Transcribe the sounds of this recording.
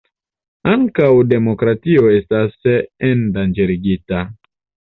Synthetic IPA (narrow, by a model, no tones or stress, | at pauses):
aŋkawde̞mokɾatio̞e̞stasendand͡ʒeɾiɡita